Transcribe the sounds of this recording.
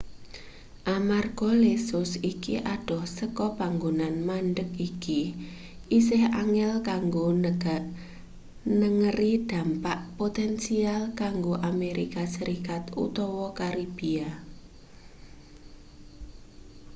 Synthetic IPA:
ʔamarɡ̥ɔlesʊsikḭʔaɖ̥ɔ̤hsəkɔb̥aŋɡonanmanɖək̚iki | ʔisɪɦaŋɛlkaŋɡonəɡaʔ | nəŋərid̪̥ä̤mpaʔpot̪ɛnsialkaŋɡoʔameɾikasəɾikat̪ṵt̪ɔwɔkaɾib̥ia

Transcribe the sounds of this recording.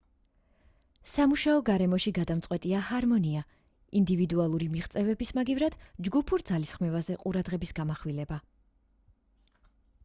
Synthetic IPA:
samuʃaɔɡaɾɛmɔʃiɡad̪amt̪sʼqʼwɛt̪ʼiahaɾmɔnia | ind̪ivid̪ualˠuɾimiʁt̪sʼɛvɛbismaɡivɾad̪̥d͡ʒɡupʰuɾd̪zalisχmɛvazɛqʼuɾad̪ʁɛbisɡamaχwilɛba

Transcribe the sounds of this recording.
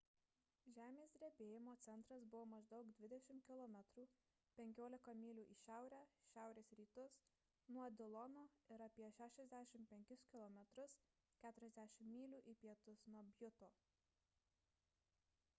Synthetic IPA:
ʒʲæːmʲeːsd̪ʲɾʲɛbʲeːjɪmoːt̪sʲɛnt̪ɾɐsbʊʋoːmɐʒd̪ɒʊkd̪ʲʋʲɪd̪ʲɛʃʲɪmkʲɪlˠɔmʲɛt̪ɾuː | pʲɛŋʲkʲoːlʲɪkɐmʲiːlʲuːʔiːʃʲæˑʊɾʲæːʃʲæˑʊɾʲeːsɾʲiːt̪ʊs | nuɔd̪ʲɪlˠɔnoːɪɾɐpʲiɛʃʲæːʃʲɛzʲd̪ʲæːʃʲɪmpʲɛŋʲkʲʊskʲɪlˠɔmʲɛt̪ɾʊs | kʲæːt̪ʊɾʲɛzʲd̪ʲæʃʲɪmːʲiːlʲuːʔipʲiɛt̪ʊsnuɔbʲjʊt̪oː

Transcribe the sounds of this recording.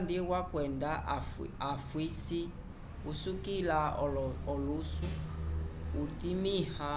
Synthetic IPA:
ndiwakwɛndaafwisi | usukilaɔlusu | utimiha

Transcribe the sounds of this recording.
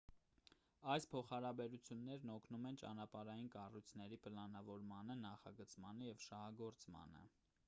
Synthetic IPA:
ɑjspʰɔχɑɾɑbɛɾut͡sʰjunːɛɾnɔkʰnumɛnt͡ʃɑ̰nɑpɑɾɑjinkɑrujt͡sʰnɛɾipəlɑnɑvɔɾmɑnənɑχɑ̰ɡət͡smɑnəjɛvʃɑhɑɡɔɾt͡smɑ̰nə̰

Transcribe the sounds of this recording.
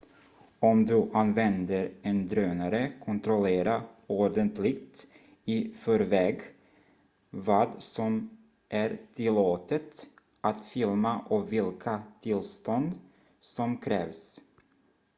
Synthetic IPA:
ɔmd̪ɵʔanvɛnd̪əɾɛnd̪ɾøːnaɾəkʰɔnt̪ɾɔleːɾaoɖənt̪lɪɡt̪ | ɪfœɾvɛːɡ | vɑːd̪sɔm | ʔæɾt̪ʰɪlːoːt̪ət̪ | ʔat̪fɪlmaʔɔvɪlkʰat̪ʰɪlst̪ɔnd̪ | sɔmkʰɾɛ̰ːvs

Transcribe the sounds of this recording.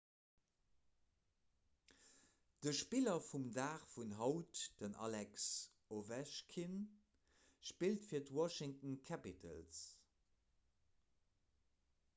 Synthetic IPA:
d̥əʃpilɐfumdaːχfunɦɑʊtd̥ənʔɑ̰lɛks | ovɛʃkʰin | ʃpiltfiːɐtwɑʃɪŋtnkʰæpitʰə̰ls

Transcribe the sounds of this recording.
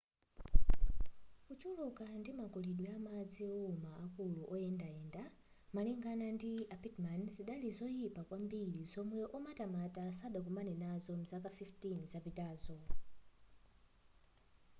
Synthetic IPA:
kut͡ʃulukandimakuliɗwɛamad͡ziɔumaakuluʔɔɛndaɛnda | maliŋɡanandiapitmanziɗalizɔjipakwambiɺizɔmwɛʔɔmatamatasaɗak̬umanɛnazɔm̩zakafiftinzapitaːzɔ

